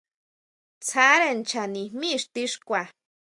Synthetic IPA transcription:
t͡sʰa˦ɾe˦˨nt͡ʃa˨nĩ˨mĩ˦ʂt̪i˦ʂkʷa˨

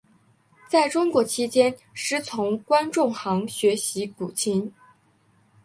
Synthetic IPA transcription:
t͡sa˥˩ɪʈ͡ʂʊ˥ŋkwɔ˧˥t͡ɕʰi˥t͡ɕjɛ˥n | ʂɻ̩˥˩t͡sʰʊ˧˥ŋkwa˥nʈ͡ʂʊ˥˩ŋxɑ˧˥ŋɕɥɛ˧˥ɕi˧˥ku˨˩t͡ɕʰi˧˥ŋ

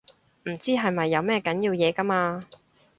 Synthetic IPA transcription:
m̩˨˩t͡siː˥ɦɐ˨jmɐ˨jːɐ˨˧wmɛː˥kɐ˨˥njiː˧wjɛː˨˧kɐ˥maː˧

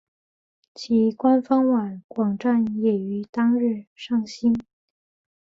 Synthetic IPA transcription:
t͡ɕʰi˧˥kwa˥nfɑ˥ŋwa˨˩˦nkwɑ˨˩ŋʈ͡ʂa˥˩njɛ˨˩y˧˥t̪ɑ˥ŋɻɻ̩˥˧ʂɑ˥˩ŋɕi˥n

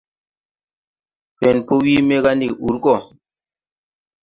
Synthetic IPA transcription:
fe˨npo˦wi˦me˦ka˦ndi˨ku˨ɾkɔ˦˨

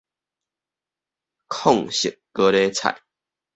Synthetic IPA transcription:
kʰɔ˥˨ŋɕi˨˩k̚kə˦ɾe˦t͡sʰa̰˨j

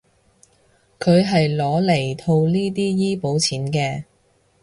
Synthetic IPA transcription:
kʰɵ˨˧ɥɦɐ˨jlɔː˨˧˥le˨˩jt̪ʰo˧wliː˥t̪̬iː˥jiː˥po˨˥wt͡sʰiː˨˥nkɛː˧

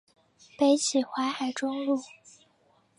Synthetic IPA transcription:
pe˧˥ɪt͡ɕʰi˨˩xwa˧˥xa˨˩ɪʈ͡ʂʊ˥ŋlu˥˩

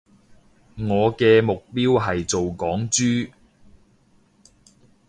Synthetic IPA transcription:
ŋɔː˨˧kɛː˧mʊ˨k̚piː˥wɦɐ˨jt͡so˨wkɔː˨˥ŋt͡ʃyː˥

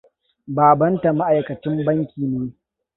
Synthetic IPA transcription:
baː˨bɐ˦nta˨ma˦ʔa˨jkɐ˨t͡ʃɪ˦mbɐ˦ŋkʲiː˨neː˦

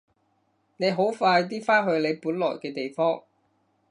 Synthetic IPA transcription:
ne˨˧jɦo˨˥wfaː˧jt̪̬iː˥faː˥ɦɵ˧ɥle˨˧jpuː˨˥nlɔː˨˩jkɛː˧t̪e˨jfɔː˥ŋ

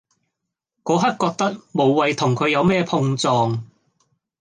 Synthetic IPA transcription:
kɔː˨˧ɦɐ˥t̚kɔː˧k̚t̪ɐ˥k̚mo˨˧wwɐ˨jt̪ʰʊ˨˩ŋkʰɵ˨˧ɥjɐ˨˧wmɛː˥pʰʊ˧ŋt͡sɔː˨ŋ

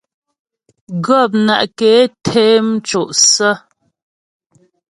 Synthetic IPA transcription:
ɡə˦˨p̬̚na̰˨ʔkeː˨˦tʰe˦m̩˦t͡ʃo˨ʔsə˦

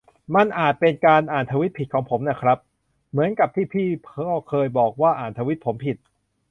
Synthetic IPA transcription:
ma˧˥˨nʔaː˨˩t̪̚pe˧nkaː˧nʔaː˨˩nt̪ʰa˧wi˦˥t̪̚pʰi˨˩kʰɔː˩˦ŋpʰo˩˦mna˦˥˩kʰɾa˦˥p̚ | mɯ˩˦ənka˨˩p̚t̪ʰiː˥˩pʰiː˥˩pʰɔː˥˩kʰɤː˧jbɔː˨˩k̚waː˥˩ʔaː˨˩nt̪ʰa˧wi˦˥t̪̚pʰo˩˦mpʰi˨˩t̪̚

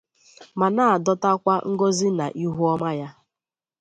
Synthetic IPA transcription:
ma˨na˦˨a˨dɔ˦ta˦kʷa˦ŋ̩˦ɡo˦zi˦na̰˨ʔi˦ɦu˦ɔ˦ma˦ja˦

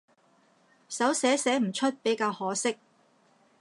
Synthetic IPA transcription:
sɐ˨˥wsɛː˨˥sɛː˨˥m̩˨˩t͡ʃʰɵ˥t̚pe˨˥jkaː˧whɔː˨˥sɪ˥k̚

